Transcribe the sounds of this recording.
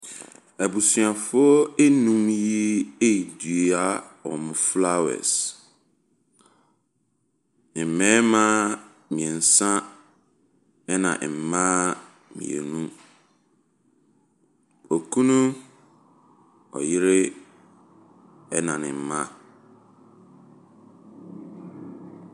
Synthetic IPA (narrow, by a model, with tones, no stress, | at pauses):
æ˨bu˨sɥa˨fʊ˦ɔ˦e˦nũ˦mji˦e˦i˨du˨e˦a˦ɔ̰˨mʊ̃˨fla˦˨wɛ̰˨s | nɪ̃˨m̩˨mɛ̃ː˦mã˦ | mĩ˨ɛ˨n̩˨sã˦ | ɛ˦nã̰˨ʔm̩˨mãː˦ | mḭ̃˨ḛ˨nũ˦ | ɔ˨kʰũ˦nũ˦ | ɔ̰˨jɪ˦ɾɪ˦ | ɛ˦nã˨nɪ̰̃˨m̩˨˦mã˦